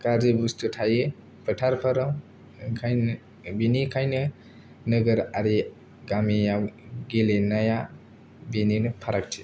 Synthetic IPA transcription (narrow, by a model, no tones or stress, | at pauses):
kaɾzibustʰutʰajɯ | pʰɯtʰaɾpʰaɾɔm | kʰaj | binikʰajnɯ | nɯɡɐɾaɾi | ɡamijaɡelenaja | bininɯpʰaɾak̚tʰi̥